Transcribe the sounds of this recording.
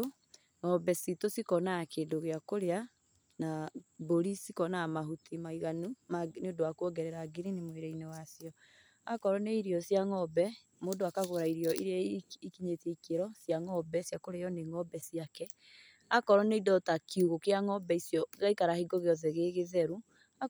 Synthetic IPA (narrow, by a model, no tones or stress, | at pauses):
o | ŋɔbɛsitosikɔnakendoɣeakoɾea | naboɾisikɔnamaɦutʰimaiɣanumaneodowakwɔɡɛɾɛɾaɡiɾinimoeɾɛinɛwasiɔ | akɔɾɔneiɾiɔsjaŋɔbɛ | moːdoakaɣoɾaiɾiɔiɾaikiɲeteikeɾɔsjaŋɔbɛsjakoɾejɔneŋɔbɛsiakɛ | akɔɾɔneidɔtakiuɣokeaŋɔbɛisjɔɣaikaɾahiɡɔɣeɔðɛɣeɣeðɛɾu | a